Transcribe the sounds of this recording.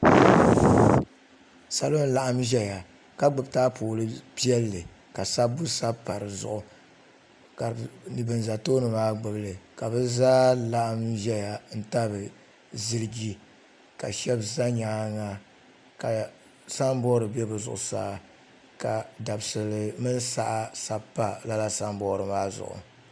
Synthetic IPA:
sa˦lo˦n˦la˦ʔa˦mʒɛ˦ja˨ | ka˦ɡ͡bɨ˨btaː˦poː˨lɨ˦pi˦ɛ˦lːɨ˨ | ka˨sa˦bu˦sa˦pa˨ɾɨ˨zʊ̰˨ʔʊ˨ | ka˨nɨ˨bɨ˨n˨za˨toː˦nɨ˨maː˦ɡ͡bɨ˨blɨ˨ka˨bɨ˦zaː˦la˦ʔa˦mʒɛ˦ja˨n̩˦ta˦bɨ˨ | zɨ˦ɾɨ˦ɡi˦ | ka˨ʃɛ˦bza˦ɲaː˦ŋa˨ | ka˨ | sa˦m˦bɔ˦ɾɨ˨bɛ˦bɨ˨zʊ̰˨ʔʊ˨sa̰˦˨ | ka˨da˨bsɨ˨lɨ˨mɨ˦nsa˦ʔa˦sa˦pːa˨la˦la˦sa˦mbɔː˦ɾɨ˨maː˦zʊ̰˨ʔʊ̰˨

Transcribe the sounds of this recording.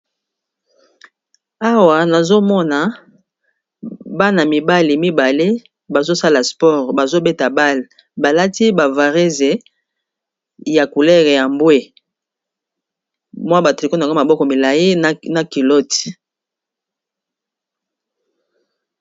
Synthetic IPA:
a˦wa˨na˨zo˦mɔ˦na˨ | ba˦na˨mi˨ba˦li˨mi˦ba˨le˦ | ba˨zo˦sa˦la˨spɔ˦˨ʁba˨zo˦be˦ta˨ba˦l | ba˨la˦ti˦ba˨va˨ʁe˦ze˨ | ja˨ku˨lɛ˦ʁe˨ja˨mbwe˦ | mwa˦ba˨tʁi˨ko˦n˨ɡma˨bɔ˦kɔ˨mi˨la˨ji˦˨na˨ki˨lɔ˦ti̥˨

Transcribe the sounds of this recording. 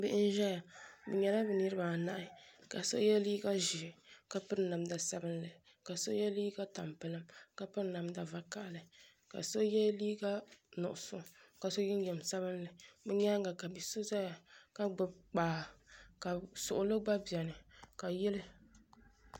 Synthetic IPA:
bɨ˦ʔɪ˦n̩˦ʒɛ˦ja˨bɛ˨ɲɛ˨la˦bɨ˨ni˦ɾɨ˦baː˨na˦ʔɪ˦ka˨so̰˦jɛ˦liː˦ɡa˦ʒɪ˨ka˦pɨ˦ɾna˨mda˨sa˦bɨ˦nlɨ˨ | ka˨so̰˦jɛ˦liː˦ɡa˦ta̰˨mpɨ˨lɨ˦mka˨pɨ˦ɾna˨mda˨va˨ka˨ʔlɨ˨ | ka̰˨so˦jɛ˦liː˦ɡa˦nʊ̰˨ʔʊ˨sʊ˦ka˨so˦jɛ˦n˦jɛ˨m˨sa˦bɨ˦nlɨ˨bɨ˦ɲa˦ŋɡa˨ka˨bi˨so˦za˦ja˨ka˦ɡ͡bɨ˨bk͡paː˨ka˨sʊ˨ʔʊ˨lɨ˦ɡ͡ba˦bi˨ɛ˨nɨ˨ka˨jɛ˦lɨ˦

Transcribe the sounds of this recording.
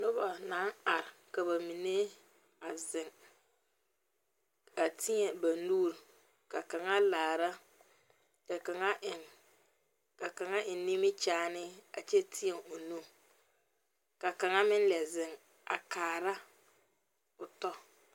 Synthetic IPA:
nʊ˦ba˨na˨˦ŋa˨ɾɪ˨ka˨ba˨mi˨ne˦ | a˨zɪ˨ŋ | a˨tʰɪ˦ɲɛ˨ba˨nuː˦ɾ | ka˨ka˨ŋa˦laː˨ɾa˦ | ka˨ka˨ŋa˦ʔɪ˨ŋ | ka˨ka˨ŋa˦ʔɪ˨nni˦mɪ˦t͡ʃaː˦nɪ˦a˨t͡ʃɛ˦tʰɪ˦ɛ˨ŋʊ˨nu˦ | ka˨ka˨ŋa˦mɪ˦n˦lɛ˨zɪ˨ŋ | a̰˨kaː˨ɾa˦ | ʊ˨tɔ˦

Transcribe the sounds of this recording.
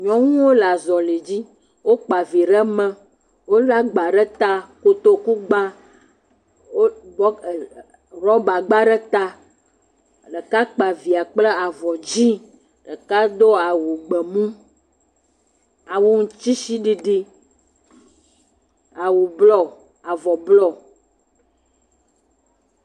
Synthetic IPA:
ɲɔ̃˦ŋũ˦wo˦la˨zɔ˨le˨d͡ʑi˦ | wo˦k͡pa˨vi˨ɾə˦mɛ̃˦ | wo˦la˦ɡ͡ba˨ɖɛ˦t̪a˦ko˨t̪o˦ku˦ɡ͡ba˦ | wo˦bɔ˦˨ | ɾɔ˦ba˨ɡ͡ba˦ɖɛ˦t̪a˦ | ɖə˨ka˦k͡pa˨vi˨a˨k͡ple˦a˨vɔ˨d͡ʑi˦ | ɖə˨ka˦d̪o˦a˨wu˨ɡ͡bə˨mũ˦ | a˨wo˦ŋũ˨t͡ɕi˦si˦ɖi˦ɖi˦ | a˨wu˨blɔ˦ | a˨vɔ˨blɔ˦˨

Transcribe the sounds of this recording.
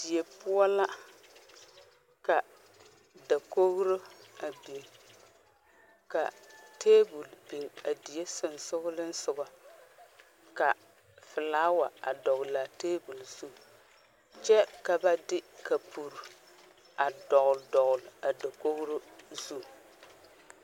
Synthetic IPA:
d̥i˨e˨pʊ˦ɔ˦la˦ | ka˨ | da˨ko˦ɣɾo˦a˨be˨ | ka̰˨teː˦bu˨lbe˨a˨di˨je˦sʊ˨n˨sʊ˦ɣʊ˦lɪ˦n̩˦sʊ˨ba˨ | ka˨ | fɪ˨laː˦wa˨a˨dɔ˨ɣla˨teː˦bu˨lz̥u˦˨ | t͡ʃɛ˦ka˨ba˦dɪ˦ka˨pʰu˨ɾ | a˨dɔ˨ɣldɔ˨ɣʊ˨la˨da˨ko˦ɣɾo˦zu˦

